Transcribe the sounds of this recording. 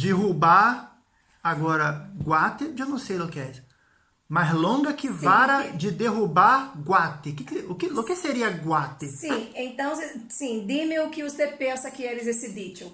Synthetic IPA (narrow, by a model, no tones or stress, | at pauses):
d͡ʒeɦubaɾ | aɡɔɾɐɡwat̪ɪʒewnɐ̃w̃sejokɪɛs | mazlõɡɐkɪvaɾɐd͡ʒɪd̪eɦubaɾɡwat̪ɪkɪkʊkɪʊkɪseɾiɐɡwat̪ɪsĩẽnt̪ɐ̃w̃sesĩd̪imɪʊkɪʊst̪epẽsɐkɪelɪzesɪbit͡ʃʊ